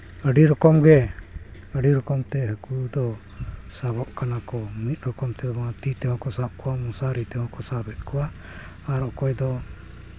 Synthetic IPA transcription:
əɖiɾɔkɔmɡɛ | əɖiɾɔkɔmt̪ɛɦəkud̪ɔ | sabɔʔkanakɔmit̪̚ˀɾɔkɔmt̪ɛd̪ɔmat̪it̪ɛhɔ̃kɔsab̚kɔwamɔ̃saɾit̪ɛhɔ̃kɔsabɛt̪̚kuwaː | ɾɔkɔjd̪ɔ

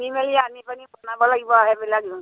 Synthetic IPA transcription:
mimelianipanibɔnabɔlaɡibɔaɦebɛlaɡu

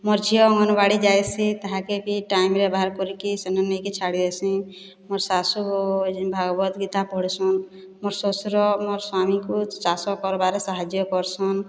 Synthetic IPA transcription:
mɔɾd͡ʒʱiɔŋɡɔnbaɽid͡ʒajsit̪aɦãkepiʈaimɾebaɦaɾkɔɾikisenɔnekit͡ʃʰaɽid̪esĩ | mɔɾsasubʱaɡbɔt̪ɡit̪apɔɦɽsɔn | mɔɾsɔsɾɔmɔɾswamikusasɔkɔɾbaɾesaɦad͡ʒjɔkɔɾsɔn

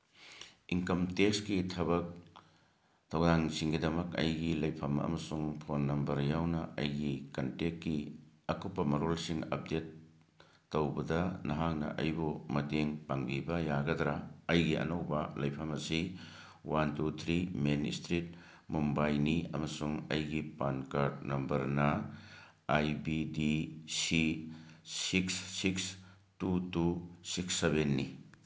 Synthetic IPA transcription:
iŋkɐmtekskitʰɐbɐk̚ | tʰɐwdaŋsiŋɡidɐmɐkɐ̰jɡilɐjpʰɐmɐ̰mɐsuŋpʰonːɐmbɐɾjawnɐɐ̰jɡikɐntekːiɐkupːɐmɐɾolsiŋɐ̰p̚detː | owbɐdɐnɐɦak̚nɐ̰ʔɐ̰jbumɐdeŋpaŋbibɐjaɡɐdɾaɐjɡiʔɐ̰nowbɐlɐjpʰɐmɐsi | wantut̪ʰɾimenḭstɾit̚ | mumbajniɐ̰mɐsuŋɐjɡipankaɾtnɐmbɐɾnɐ | ajbidisi | siksːiks | tutusiksːebenːi

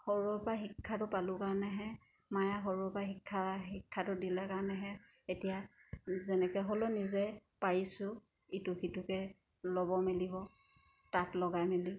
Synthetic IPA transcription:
xoɹuɔpaxikʰːatʊpalʊkaɹɔnɛɦɛ | majaxoɹuɔpaxikʰːaɦikʰːatʊdilɛkaɹɔnɛɦɛ | etijazɛnɛkɛɦolonizɛpaɹisʊ | itʊxitukɛ | lɔbɔmelibɔ | tatlɔɡajmeli

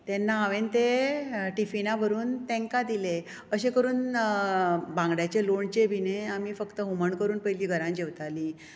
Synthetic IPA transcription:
t̪ɛnːaːʋent̪eʈifinaʋəɾuːnt̪ɛ̃ŋkad̪ile | əɕekəɾuːn | bãŋɡɽjat͡ɕeloɳt͡ɕebʱineamiːfəkt̪əɦuməɳkəɾuːnpəjliːɡʱəɾãnd͡ʑeʋt̪ali

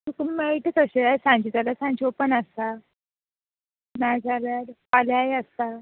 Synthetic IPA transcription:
t̪ukmeiʈəkəɕeasãɲt͡ɕid͡zalasãnt͡ɕiopənəst̪a | najd͡zalaɾpaljajəst̪a

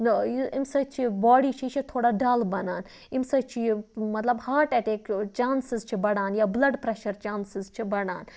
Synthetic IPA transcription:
nɐiimsɐt͡ʃʰibaːɽit͡ʃʰit͡ʃʰit̪ʰoːɽaːɖaːlbɐnaːn | imsɐt͡ʃʰimɐt̪lɐbhaːʈɛʈ̪eːkt͡ʃaːnsɪzt͡ʃʰibɐɽaːnjaːblɐɖpɾɛʃɐɾt͡ʃaːnsɪzt͡ʃʰibɐɽa̰ːn

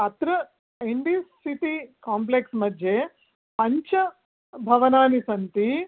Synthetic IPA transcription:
ɐt̪ɾɐ | eɳɖiːsːit̪ikaːmp̬leksmɐd̪ʱje | pɐɲt͡ʃɐ | bʱɐʋɐnaːnisɐnt̪i

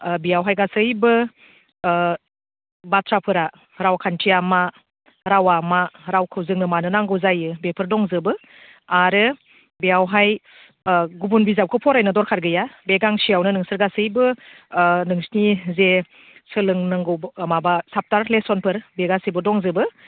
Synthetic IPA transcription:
bijawɦajɡasɯjbɯ | batʰɾapʰɯɾa | ɾawakʰantʰijama | ɾawamaɾawkʰɯwzɯŋnɯmanɯnaŋɡɯwzajɯbepʰɯɾdɔŋzɯbɯ | aɾɯ | bijawɦaj | ɡubunbizaw̚kʰɯpʰɔɾajnɯdɔɾkʰaɾɡɯjabeɡaŋsijawnɯnɯŋsɯɾɡasɯjbɯ | nɯŋsnize | sɯlɯŋnɯŋɡɯwbmabasap̚taɾlesɔnpʰɯɾbeɡasibɯdɔŋzɯbɯ

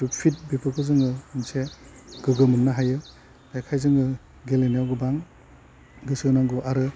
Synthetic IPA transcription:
tupʰit̚bipʰɯkʰɯzɯŋɯɯnse | ɡ̥ɯɡɯmɯnnaɦajɯ | dajkʰajzɯŋɯ | ɡelenijawɡɯbaŋ | ɡɯsɯnaŋɡuʔaɾɯ

